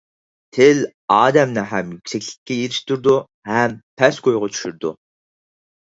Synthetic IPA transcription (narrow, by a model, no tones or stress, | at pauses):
t̪ʰɪl | ɑːd̪ɛmnɪɦɛmjykʲsɛkʲlɪ̥kʲʰːɛjeɾɪʃt̪yɾd̪u | hɛmpʰɛskʰojʁɑt͡ʃʰy̥ʃyɾd̪u